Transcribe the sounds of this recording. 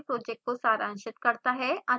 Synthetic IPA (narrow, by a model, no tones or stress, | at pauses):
pɾoːd͡ʒɛk̚ʈ̚kosaːɾãːnʃɪt̪kɐɾt̪aɦɛɐ